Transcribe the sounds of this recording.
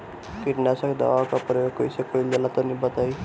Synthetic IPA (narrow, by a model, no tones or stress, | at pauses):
kiʈnasakd̪a̰ʋakapɾəjoɡkoisekoilelat̪ənibət̪ai